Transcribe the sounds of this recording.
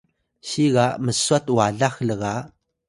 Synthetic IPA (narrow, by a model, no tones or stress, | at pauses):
ɕiɣaməsuat̪waɮaxləɣa